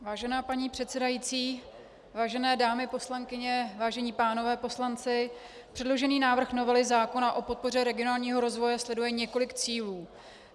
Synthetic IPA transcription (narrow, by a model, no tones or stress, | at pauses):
vaːʒɛnaːpaɲiːpr̥ɛt̪sɛdajiːt͡siː | vaːʒɛnɛːdaːmɪpo̞slaŋkɪɲɛvaːʒɛɲiːpaːno̞vɛːpo̞slant͡sɪ | pr̥ɛdlo̞ʒɛniːnaːvr̩xno̞vɛlɪzaːko̞naʔo̞po̞t̪̚po̞rɛɾɛɡɪo̞naːlɲiːɦo̞ɾo̞zvo̞jɛslɛdujɛɲɛko̞lɪkt͡siːluː